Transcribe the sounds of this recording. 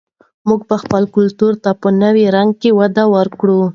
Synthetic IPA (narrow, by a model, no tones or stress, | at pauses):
muɡ̚pəxpəlkʊlt̪uɾt̪apənəwiɾaŋɡ̚kewad̪awəɾkɽu